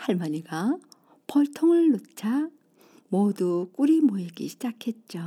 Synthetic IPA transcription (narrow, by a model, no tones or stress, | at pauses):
haɭmaɲiɡa | pʌɭtʰoŋɯɭːot͡ɕʰa | mʌduk͈uɾimoiɡḭɕʰid͡ʑakʰe̞t̚t͡ɕ͈o